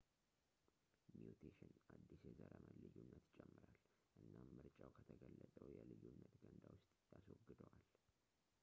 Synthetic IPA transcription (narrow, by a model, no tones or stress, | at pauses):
mjut̪ʰeʃɪnʔad̪ːisjɛzəɾəməlɨjːunːət̪t͡ʃʼɛmːɨɾal | ʔɨnːamːɨɾt͡ʃʼawkʰət̪ʰəɡəlːət̪ʼəwjɛlɨjːunːət̪ɡənd̪awʊst̪ʼjaswɔɡɨd̪əwal